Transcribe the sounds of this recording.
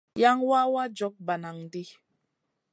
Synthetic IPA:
ja˦ŋwa˦wa˦d͡ʒɔ˨˦k̚ba˨na˨ŋdi˦

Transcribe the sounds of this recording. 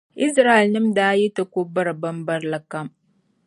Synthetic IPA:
ʔi˦sɾa˦˨e˨lnɨ˦mdaː˦jɛ˦tɨ˨ko˦ba˦ɾɨ˨ba˦mba˦ɾla˨ka˦m

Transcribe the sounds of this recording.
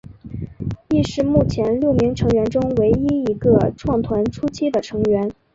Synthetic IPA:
i˥˧ʂɻ̩˥˧mu˥˩t͡ɕʰjɛ˧˥nljo˥˩ʊmi˧˥ŋʈ͡ʂʰɤ˧˥ŋɥɛ˧˥nʈ͡ʂʊ˥ŋwe˧˥ɪi˥i˧˥ɡə˧ʈ͡ʂʰwɑ˥˩ŋt̪ʰwa˧˥nʈ͡ʂʰu˥t͡ɕʰi˥d̪ə˨ʈ͡ʂʰɤ˧˥ŋɥɛ˧˥n

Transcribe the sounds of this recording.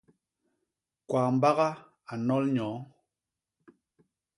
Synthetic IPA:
kwaː˨m̩˨ba˦ɣa˦ | a˨nɔ˦lɲɔ̃ː˨˦

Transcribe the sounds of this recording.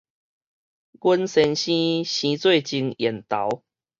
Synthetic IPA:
ɡə˦nsɛ˧˦nɕĩ˦ɕĩ˧˦t͡swe˥˨ɪt͡ɕi˧ŋjɛ˨˩nt̪a˨˦ʊ

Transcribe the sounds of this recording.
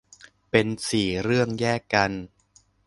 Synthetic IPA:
pe˧nsiː˨˩ɾɯ˥˩əŋjɛː˥˩kːa˧n

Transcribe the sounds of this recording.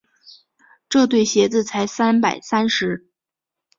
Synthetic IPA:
ʈ͡ʂɤ˥˧t̪̬we˥˩ɪɕjɛ˧˥t͡sɹ̩˥˩t͡sʰa˧˥ɪsa˥npa˨˩ɪsa˥nʂɻ̩˧˥

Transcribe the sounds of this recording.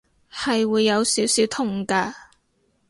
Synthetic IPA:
hɐ˨jwuː˨˧jːɐ˨˧wsiː˨˥wsiː˨˥wt̪ʰʊ˨˩ŋkɐ˧

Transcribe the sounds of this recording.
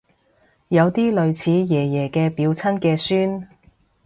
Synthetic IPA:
jɐ˨˧wt̪iː˥lɵ˨˧ɥt͡sʰiː˨˧jɛː˨˩jɛː˨˩kɛː˧piː˨˧wt͡sʰɐ˥nkɛː˧syː˥n

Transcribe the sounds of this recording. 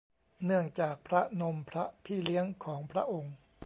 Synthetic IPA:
nɯ˥˩əŋt͡ɕaː˨˩k̚pʰɾa˦˥no˧mpʰɾa˦˥pʰiː˥˩li˦˥əŋkʰɔː˩˦ŋpʰɾa˦˥ʔo˧ŋ

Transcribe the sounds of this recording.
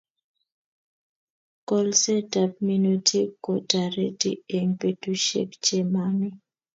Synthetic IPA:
kɔ˦lse˦da˨pmi˦no˨tʰi˦ko˨ta˨ɾe˦tḭ˦e˨ŋpe˨tu˦ʃḛ˦kt͡ʃe˦ma˦nɪ˦

